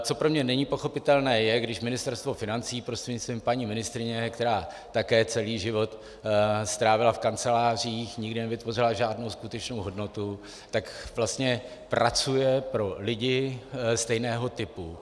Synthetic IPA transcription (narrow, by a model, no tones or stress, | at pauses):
t͡so̞pɾo̞mɲɛnɛɲɪpo̞xo̞pɪt̪ɛlnɛːjɛɡdɪʃmɪnɪst̪ɛɾst̪vo̞fɪnant͡siːpɾost̪r̥ɛdɲɪt͡st̪viːmpaɲiːmɪnɪst̪ɾɪɲɛkt̪ɛɾaː | t̪akɛːt͡sɛliːʒɪvo̞t̪ | st̪ɾaːvɪlafkant͡sɛlaːr̝iːxɲɪɡdɪnɛvɪt̪vo̞rɪlaʒaːdno̞wskut̪ɛt͡ʃno̞wɦo̞dno̞t̪u | t̪akvlast̪ɲɛ | pɾʔat͡sujɛpɾo̞lɪɟɪst̪ɛjnɛːɦo̞t̪ɪpu